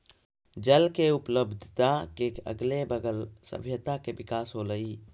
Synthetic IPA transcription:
d͡ʒəlkeupləbd̪ʱt̪akekə̰ɡlebəɡəlsə̰bʱjət̪akebikaːsɦoləi

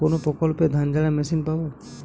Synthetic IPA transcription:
onopɾɔkɔlped̪ʱand͡ʒalamesinpabɔ

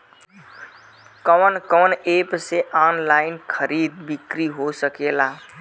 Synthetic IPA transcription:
kəwnkɔwnepseʔanlainkʰəɾid̪̚bikɾiɦosəkela

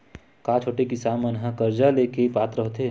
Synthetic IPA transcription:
kãːt͡ʃʰoːʈekisaːmənɦəkəɾd͡ʒaleːkepaːt̪ɾəɦoːt̪eː

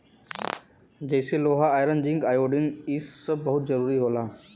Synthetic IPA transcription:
d͡ʑɐɪseloːɦaaːɪɾənd͡ʑɪ̃ŋɡaːjoːɖɪnɪsɐbɐɦʊt̪zɐɾuːɾiɦoːlaː

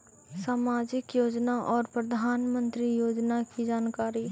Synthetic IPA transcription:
saːmaːd͡ʒɪkjoːd͡ʒnaʔɔːɾpɾɐd̪ʱaːnmə̃nt̪ɾijoːd͡ʒnakid͡ʒaːnkaːɾi

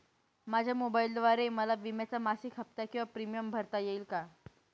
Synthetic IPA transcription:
mad͡ʑʱjamobaild̪ʋaɾeməlaʋimjat͡samasikʰɦəp̚t̪akĩw̃ʋapɾimijəmbʱəɾt̪ajeiːlka

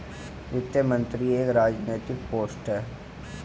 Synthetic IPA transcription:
ʋɪt̪ːəmə̃nt̪ɾieːkɾaːd͡ʒneːʈɪkpoːsʈəɾ

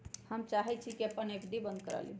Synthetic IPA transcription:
həmt͡ʃaɦɛt͡ʃʰikiəpənekd̪ibənd̪̚kəɾə̰lḭ

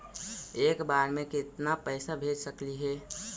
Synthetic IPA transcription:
eːkbaːɾmẽkɪt̪napɛːsabʱeːd͡ʒsəkliɦɛː

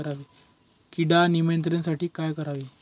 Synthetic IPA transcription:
əɾaʋiː | kiɽanimənt̪ɾensaʈiːkajkəɾaʋiː

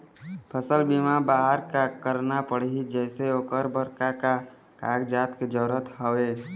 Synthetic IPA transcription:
pʰəsəlbiːmabaːɦəɾkakəɾnapəɽɦid͡ʒɛːseoːkəɾbəɾkaka | kaːɡd͡ʒaːt̪ked͡ʒəːɾət̪ɦəeː

